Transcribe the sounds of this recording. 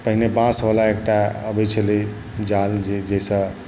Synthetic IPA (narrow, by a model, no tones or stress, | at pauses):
pəɦinebãsbalaek̚ʈaəbɛjt͡ʃʰəli | d͡ʒald͡ʒed͡ʒejsə̃